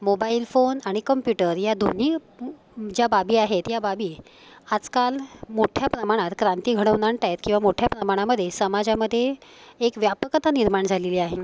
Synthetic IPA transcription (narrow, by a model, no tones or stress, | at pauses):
mobailfonaɽ̃ikəmpjuʈəɾjad̪ʱon̤i | d͡ʑjababiːaɦet̪jababiː | ad͡zkalmoʈʰjapɾəmaɽ̃at̪kɾant̪iːɡʱəɽ̃əʋnaɳʈajet̪̚kĩw̃ʋamoʈʰjapɾəmaɽ̃aməd̪ʱːjesəmad͡zaməd̪ʱːjeːkʋjapəkət̪aniɾmaɳd͡zʱaleliaɦe